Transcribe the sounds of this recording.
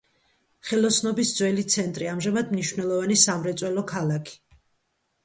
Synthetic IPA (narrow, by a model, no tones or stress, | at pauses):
χɛlˠɔsnɔbisd̪zwɛlit̪sʰɛnt̪ʼɾiamʒɛmad̪mniʃwnɛlˠɔvanisamɾɛt̪sʼwɛlɔkʰalakʰi̥